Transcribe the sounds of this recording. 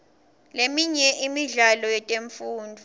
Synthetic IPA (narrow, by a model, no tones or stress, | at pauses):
lemiɲɛʔimiɮalɔjɛtʼeɱfuːndʱu